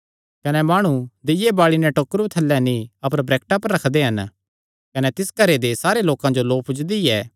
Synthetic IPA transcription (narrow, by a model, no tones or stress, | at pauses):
kɐnɛmaːɽ̃ud̪ɪjebaːɭinɛʈoːkɾut̪ʰɐlːɛnĩɐpəɾbɾeːk̚ʈapɐɾɾɐkʰd̪eɦɐn | kɐnɛt̪ɪskɐɾed̪esaːɾeloːkãd͡ʒoloːpʰʊd͡ʒd̪iɛː